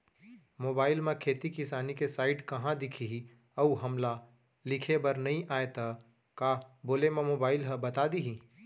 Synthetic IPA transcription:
moːbaːɪlmẽkʰeːt̪ikɪsaːnikesaːɪɖkɐɦãd̪ɪkʰiɦi | əuɦɐmla | lɪkʰebɐɾnɐɦĩʔaːet̪a | kaːboːlemẽmoːbaːɪlɦəbɐt̪ad̪iɦĩ

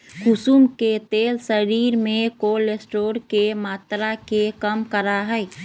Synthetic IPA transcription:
kʊsumket̪eːlsəɾiːɾmẽkoːlesʈoːɾkemaːt̪ɾakekəmkəɾaɦɛɛ

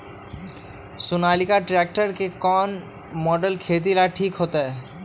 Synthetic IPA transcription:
sunalikaʈɾɛk̚ʈaɾkekɔn | mɔɖelkʰet̪̬ilaʈʰikɦot̪e

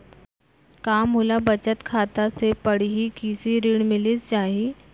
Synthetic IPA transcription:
kaːmɦolabət͡ɕət̪kʰaːt̪asepəɽ̤iɦikisiɾiːɽmɪlit͡st͡ʃaːɦi

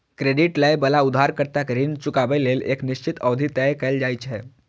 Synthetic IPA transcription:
kɾeɖiʈləjbəlaʊd̪ʱaɾkəɾt̪akəɾiːnt͡ʃukaʋəleːlḛːkniʃt͡ʃit̪əʋd̪ʱit̪ɛjkəjld͡ʒajt͡ʃɦɛ

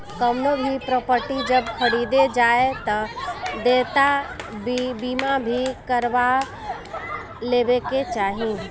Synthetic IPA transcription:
kəmnobʱipɾɔːpəɾʈid͡ʒəbkʰəɽiːd̪ed͡ʒaːet̪əd̪eːt̪a | biːmabʱikəɾʋa | leːbeket͡ʃaːɦĩ

